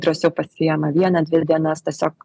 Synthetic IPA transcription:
d̪ɾɐsʲɛʊpɐsʲɪjɛmɐʋʲiɛnɐd̪ʲʋʲɪd̪ʲiɛnɐst̪ʲɛsʲoːk

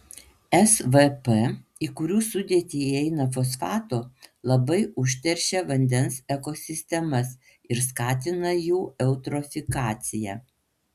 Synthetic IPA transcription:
ɛsʋɛpɛiːkʊɾʲuːsʊd̪ʲeɛt̪ʲiːɛɪnɐfoːsfɑːt̪oːlˠɐbɐɪʔʊʃʲt̪ʲɛɾʲʃʲɛʋɐnʲd̪ʲɛnsɛkoːsʲɪsʲt̪ʲɛmɐs | ɪɾskɑːt̪ʲɪnɐjuːʔɛʊt̪ɾɔfʲɪkɑːt̪sʲɪjæ̰ː

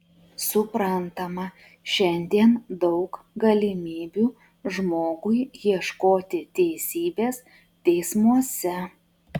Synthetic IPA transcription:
sʊpɾɐnt̪ɐmɐ | ʃʲɛnʲd̪ʲiɛnd̪ɒʊk | ɡɐlʲɪmʲiːbʲuː | ʒmoːɡʊɪjiɛʃkoːt̪ʲɪt̪ʲɛɪsʲiːbʲeːs | t̪ʲɛɪsmuɔsʲɛ

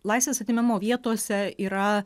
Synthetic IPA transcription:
lˠɐɪsʋʲeːsɐt̪ʲiːmʲɛmoːʋʲiɛt̪oːsʲɛiːɾɐ

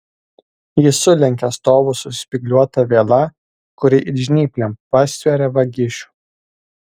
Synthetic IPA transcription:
jɪsʊlʲɛŋʲkʲɛɐst̪oːʋʊsʊsʲpʲɪɡlʲuɔt̪ɐʋʲeːlˠɐ | kʊɾʲɪʔɪʒʲnʲiːpʲlʲɛmpɐsʲʋʲɛɾʲɛʋɐɡʲɪʃʲu̥ːˑ

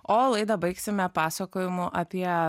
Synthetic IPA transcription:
oːlˠɐɪd̪ɐbɐɪksʲɪmʲɛpɑːsɐkoːjɪmʊʔɐpʲiɛ

